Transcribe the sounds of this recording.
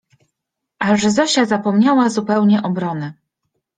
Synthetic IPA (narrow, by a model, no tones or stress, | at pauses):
ʔaʐɛzɔɕazapɔmɲawazupɛwɲɛʔɔbɾɔnɛ